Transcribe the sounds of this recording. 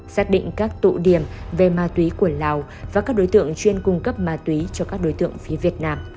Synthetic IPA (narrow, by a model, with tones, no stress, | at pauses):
saː˦˥k̚ɗḭ˧˨ŋ̟kaː˦˥k̚t̪ṵ˧˨ɗi˧˩əmve˨˩maː˨˩t̪wi˨˦ku˧˩əlaː˨˩w | vaː˨˩kaː˦˥k̚ɗo˨˦jt̪ɨ̰˧˨əŋt͡ɕwi˧ənkʊ˧ŋ͡mkə˦˥p̚maː˨˧˩t̪wi˨˦t͡ɕɔ˧kaː˦˥k̚ɗo˨˦jt̪ɨ̰˧˨əŋfi˨˦əvi˨˩ət̚naː˧m